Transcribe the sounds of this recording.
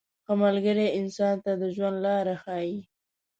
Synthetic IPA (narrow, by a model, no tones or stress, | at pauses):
xəmalɡəɾeɪnsɑnt̪ad̪əʒwand̪lɑɾaxɑji